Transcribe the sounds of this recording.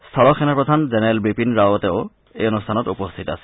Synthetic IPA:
st̪ʰɔlɔxʰɛnapɹɔd̪ʱanzɛnɛɛlbipinɹawɔteʊ | ejɔnustʰanɔtupost̪ʰita̰sɛ̥

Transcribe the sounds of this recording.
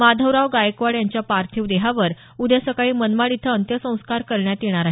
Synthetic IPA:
mad̪ʱəʋɾaʋɡajkʋaɽjaɲt͡ɕjapaɾt̪ʰiʋd̪eɦaʋəɾ | ud̪ʱjasəkaɭiːmənmaɽit̪ʰəːnt̪jəsə̃w̃skaɾkəɾɳjat̪jeɽ̃aɾaɦ

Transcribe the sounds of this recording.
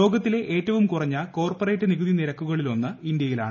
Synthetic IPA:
o̞ːɡɐt̪ːile̞ʔe̞ːtːɐʋumkurɐɲːɐko̞ːrpore̞ːtːɨniɣud̪ʱiniɾɐkːuɣɐɭilo̞nːɐind̪jɐjila̰ːɳɨ

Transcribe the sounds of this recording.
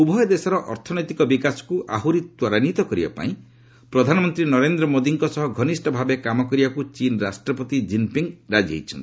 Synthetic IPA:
ubʱɔjɔd̪esɔɾɔʔɔɾt̪ʰɔnɔjt̪ikɔbikasɔ̥kuʔaɦuɾit̪wɔɾanit̪ɔkɔɾiba̰pa̰ĩ | pɾɔd̪ʱanɔmɔnt̪ɾinɔɾend̪ɾɔmod̪iŋkɔsɔɦɔɡʱɔnisʈɔbʱabekamɔkɔɾibakut͡ʃinɔɾasʈɾɔpɔt̪id͡ʒimpiŋɡɾad͡ʒḛjt͡ʃʰɔnt̪i

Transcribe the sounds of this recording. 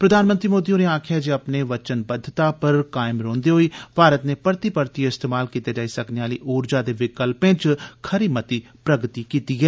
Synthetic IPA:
pɾəd̪ʱaːnmənt̪ɾiːmoːd̪iːoːneaːkʰjaːd͡ʒiəpneːʋət͡ʃənbəd̪ʱːət̪aːpəɾkaːɪmɾõːnd̪eːɦoːiːpaːɾət̪neːpəɾt̪iːpəɾt̪iːɪst̪eːmaːlkiːt̪eːd͡ʒaːiːsəkneɦaːliːʔoːɾd͡ʒaːd̪eːʋɪkəlpẽːt͡ʃkʰəɾiːmət̪iː | pɾəɡt̪iːkiːt̪iːɦɛː

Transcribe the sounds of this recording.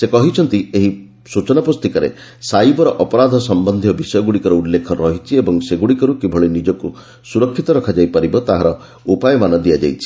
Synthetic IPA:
sekɔɦit͡ʃʰɔnt̪ieɦi | sut͡ʃɔnapust̪ikɔɾḛ | sajbɔɾɔʔɔpɔɾad̪ʱɔsɔmbɔnd̪ʱiɔbisɔjɔɡuɽikɔɾɔulːekʰɔɾɔɦit͡ʃʰiebɔŋseɡuɽikɔɾukibʱɔɭinid͡ʒɔku | suɾɔkʰːit̪ɔɾɔkʰad͡ʒajpaɾibɔt̪aɦaɾɔ | upajɔmanɔd̪iad͡ʒa̰jt͡ʃʰi̥

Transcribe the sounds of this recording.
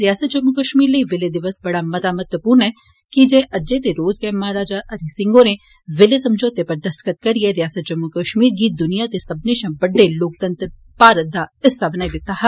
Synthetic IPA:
ɾɪjaːsət̪̚d͡ʒəmʊkəʃmiːɾləiʋɪled̪ɪʋəsbɐɽamɐt̪aːmət̪ʋəpuːɾnɛ | kid͡ʒẽʔɐd͡ʒet̪eɾoːd͡ʒkɛːmɐɦaɾaːd͡ʒaʔɐɾisɪ̃ŋɡone | ʋɪlesɐmd͡ʒoːt̪epɐɾd̪ɐskət̪̚kɐɾieɾɪjaːsət̪̚d͡ʒɐmʊkəʃmiːɾɡiːd̪ʊnijat̪esɐbneʃãːbəɖːeloːk̚t̪ə̃nt̪ɾ | paːɾəd̪aːɪsabənaːid̪ɪt̪ːaɦɛ

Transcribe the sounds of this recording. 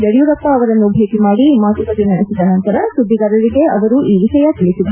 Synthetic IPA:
d͡ʒ̪eɽijuɾɐpːɐːʋɐɾɐnːubʱeːkimaːɽimaːt̪ukɐd̪inɐnsid̪ɐnɐnt̪ɐɾɐsud̪ʱːiɡɐɾɐɾiɡe̞ɐʋɐɾuʔiːʋiʃɐjɐt̪iɭisuʋ

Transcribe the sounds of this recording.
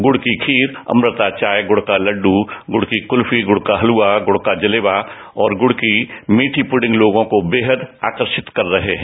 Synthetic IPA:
ɡʊɽkikʰiːɾɐ̰mɾət̪at͡ʃaːjɡʊɽkalɐɖuɡʊɽkikʊlfiɡʊɽkaɦɐluːaɡʊɽkad͡ʒɐleːba | ɔːɾɡʊɽkimiːʈʰipʊɖɪ̃ŋɡloːɡõkobeːɦəd̪a̰ːkəɾʃɪt̪kɐɾːɐɦeɦɛ̃ː

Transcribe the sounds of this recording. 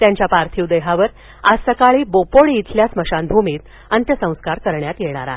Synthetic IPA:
t̪jaɲt͡ɕjapaɾt̪ʰiud̪əjɦaʋəɾ | ad͡zsəkaɭiːbopoɭiːt̪ʰljasməɕanbʱumiːt̪ | ənt̪jəsə̃w̃skaɾkəɾɳjat̪jeɳ̃aɾa̰

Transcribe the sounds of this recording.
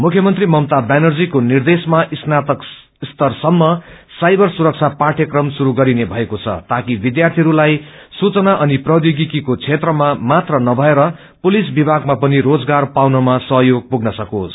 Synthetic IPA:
mukʰjʌmʌnt̪rimʌmt̪abanʌrd͡zikonird̪esmaʔisnat̪ʌk | ist̪ʌrsʌmːʌ | sajbʌrsuɾʌk̚t͡sʰapãʈʰjʌkrʌmsuɾuɡʌɾinebʱʌekot͡sʰʌ̰t̪akibid̪jart̪ʰiʌɾulajsut͡sʌnaʔʌniprʌd̪jiɡikikot͡sʰet̪rʌmamat̪rʌnʌbʱʌeɾʌ | pulis̬bibʱaɡmapʌniɾod͡zɡarpawnʌmasʌɦjoɡ̚puɡnʌsʌkosʰ

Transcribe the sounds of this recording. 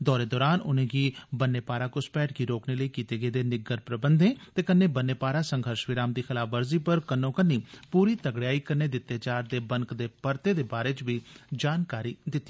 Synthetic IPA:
d̪ɔːɾeːd̪ɔːɾaːnʊnẽːɡiːbənːeːpaːɾaːkʊspɛːʈkiːɾoːkneːləiːkiːt̪eːɡəeːd̪eːnɪɡəɾpɾəbənd̪ẽːt̪eːkənːeːbənːeːpaːɾaːsəŋɡʱəɾʃʋɪɾaːmd̪iːxɪlaːfʋəɾziːpəɾkənːõːkənːiːpuːɾiːt̪əɡɽjaːiːkəɾneːd̪ɪt̪ːeːt͡ʃaːɾd̪eːbəŋkd̪eːpəɾt̪eːd̪eːbaːɾeːt͡ʃʋiːd͡ʒaːnkaːɾiːd̪ɪt̪ːi

